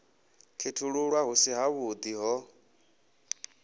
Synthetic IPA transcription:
kʰetʰuɺuɺwaɦusiɦaβud̪iɦɔ

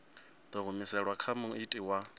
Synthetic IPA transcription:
d̪aɣʊmisɛɺwakʰamʊitʼiwa

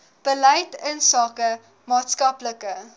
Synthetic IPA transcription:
b̥əlɛjtənsɑːkə | mɑːtskɐpləkə

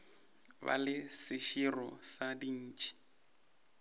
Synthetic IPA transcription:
ba̰lɪsɪʃirɔsadin̩ːt͡ʃʼi̥

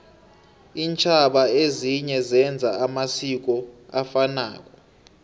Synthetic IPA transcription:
iːnt͡ʃʰaɓaeziɲɛzɛnd͡zʱaamasik̬ɔafana̰ːk̬ʼɔ

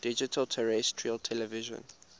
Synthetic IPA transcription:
d̥id͡ʒitʰəltʰɛɹɛstʰɹiəltʰɛlɛviʒɔ̰̃n

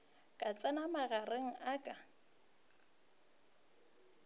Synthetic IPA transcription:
kʼat͡sʼanamaɣareŋ̩ʔakʼa

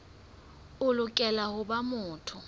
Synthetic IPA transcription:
ʊlʊkʼɛlahʊbamʊːtʰʊ

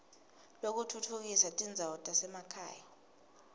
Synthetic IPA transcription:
lok̬utʰutʰuk̬isatʼind͡zʱaɔtʼasɛmakʰa̰ːja

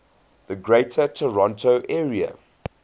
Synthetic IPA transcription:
ðəɡɹeɪtʰətʰəɹɔ̃ntʰoʊʔɛːɹiə̰

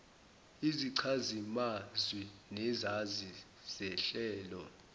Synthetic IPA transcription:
iziǀʰazimazwinɛzazi | z̥ɛɬɛːlɔ

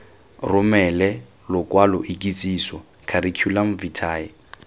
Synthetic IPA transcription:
rʊmɛlɛ | lʊkʼwalʊʔikʼit͡sʼiːsɔ | kʰaɾikʰjulam̩vitʰaːɛ

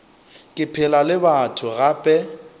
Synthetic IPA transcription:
kʼɪpʰɪlalɪbatʰʊɣapʼɛ

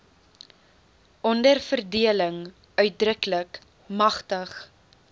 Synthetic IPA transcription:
ʔɔndərfərdiələŋ | œɥt̚drəklək | mɐχtəχ

